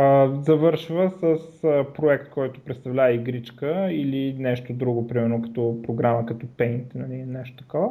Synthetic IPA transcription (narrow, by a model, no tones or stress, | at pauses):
əzɐvɤɾʃvəsəsəpɾoɛkt̪̚kɔjt̪ʊ̥pɾɛt̪st̪ɐvlʲavəiɡɾit͡ʃkəilinɛʃt̪od̪ɾuɡopɾimɛɾnokɐ̥t̪ɔpɾoɡɾaməkɐt̪ɔpɛnt̪nɐlinɛʃt̪o̥t̪ɐ̥kɔvə